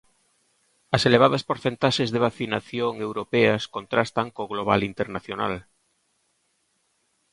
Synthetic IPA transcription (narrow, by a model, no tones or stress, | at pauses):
ɐseleβ̞aðɐspoɾθent̪aʃezðeβ̞aθinaθjoŋewɾopɛɐskont̪ɾast̪ɐŋkoɣloβ̞a̰lint̪eɾnaθjona̰l